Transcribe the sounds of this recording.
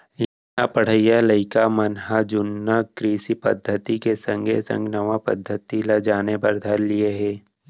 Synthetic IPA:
jɐ | apəɽ̤əɪjaləɪkamɐnɦad͡ʒʊnːakɾiːsipɐ̰d̪ʱːət̪ikesə̃ŋɡʱḛsə̰̃ŋɡnɐʋapə̰d̪ʱːət̪ilɐd͡ʒaːnepɐɾd̪ʱɐɾlɪeɦɛː

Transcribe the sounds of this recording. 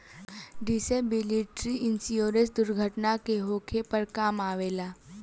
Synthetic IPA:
ɖisebiliʈɾiɪnsioːɾesd̪ʊɾɡʱəʈnakeɦoːkʰepəɾkaːmaːʋeːlaː

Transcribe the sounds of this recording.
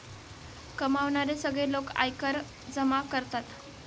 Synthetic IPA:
kəmaʋɳaɾesəɡɭeloka̰jkəɾ | d͡zəmakəɾt̪at̪

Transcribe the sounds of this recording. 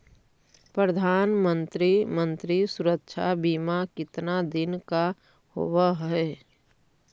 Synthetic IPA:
pɾəd̪ʱaːnmə̃nt̪ɾimə̃nt̪ɾisʊɾəkʃʰa̰biːmakɪt̪nad̪ɪnka | ho̰ʋaɦɛ

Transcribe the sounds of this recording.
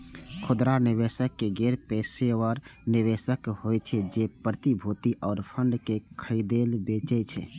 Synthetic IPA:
kʰʊd̪ɾanɪwesəkːeɡɛɾpeːseəɾnɪʋesəkhoɛt͡ʃʰɛd͡ʒepɾət̪ibʱuːt̪iʔɔːɾpʰəɳɖkekʰəɾid̪eːlbeːt͡ʃɛt͡ʃʰɛ

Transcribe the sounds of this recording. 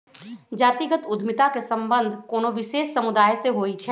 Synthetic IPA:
d͡ʒaːt̪iɡət̪ʊd̪ʱmɪt̪akesɐ̃mbə̃nd̪ʱkoːnoʋɪʃeːsːɐmʊd̪aːjseɦoːit͡ʃʰɛ

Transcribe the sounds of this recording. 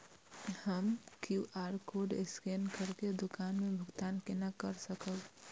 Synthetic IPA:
həmkjuʔaːɾkoːɖḛskeːnkəɾked̪ʊkaːnmẽbʱʊɡt̪aːnkenakəɾsəkəl

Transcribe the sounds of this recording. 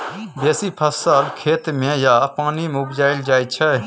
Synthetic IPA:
beːsipʰəsəlkʰeːt̪mẽjapaːnimeʊbd͡ʒaːɪld͡ʒaːj̪t͡ʃʰɛ

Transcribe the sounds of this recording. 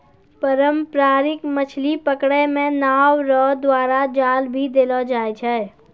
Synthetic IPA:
pəɾəmpɾaːɾɪkmət͡ʃʰlipəkɽɛmẽnaːwɾɔːd̪waːɾad͡ʒaːlbʱid̪eːlɔd͡ʒaːjt͡ʃʰɛ

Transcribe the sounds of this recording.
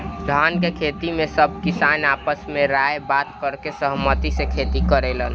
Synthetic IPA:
d̪ʱaːnkekʰeːt̪imẽsəb̚ʱkɪsaːnaːpəsmẽɾaːebaːt̪kəɾkesəɦmət̪isekʰeːt̪ikəɾelən

